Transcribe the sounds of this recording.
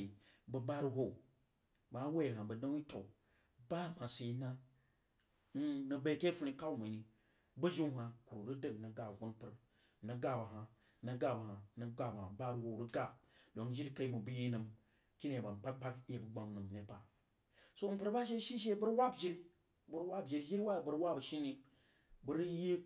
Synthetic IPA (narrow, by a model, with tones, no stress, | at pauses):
i˨bə˨ba˦ɾu˦ɦo˦˨ | ba˨a˦we˦˨ɦa˨bə˨do˦i˦to˨ | ba˦˨ma˨si˨i˦na˦ | n̩˦nə˨be˦ke˦fu˦ni˦ka˦u˦ma˨ni˨ | bə˦d͡ʒi˦ŋ˦ha˨ku˨ɾu˨ɾɨ˦də˦ŋ˨nə˨ɡa˨wʷu˦npɨ˨ɾ | nə˨ɡa˦ba˨ɦa˨ | nə˨ɡa˦ba˨ha˨nə˨ɡ͡ba˨ba˨a˨ba˦ɾu˨wo˨ɾu˦ɡa˦do˨˦d͡ʒi˦ka˦i˦mu˨bu˦ji˦nɨ˨m | ki˦ne˨ba˨n˨k͡pa˦k̚k͡pa˦ke˨bu˦ɡ͡ba˨m˨nɨ˨m˨ne˦pa˨ | so˦n̩˦pɨ˦ɾba˦ʃ̬e˦ʃi˦ʃ̬e˦bə˦ɾwa˦bd͡ʒi˦ɾi˦ | bu˦ɾwa˦bd͡ʒi˨ɾi˦d͡ʒi˦ɾi˦wa˦˨bɨ˨ɾwa˦bə˨ʃi˦ni˦ | bə˦ɾje˦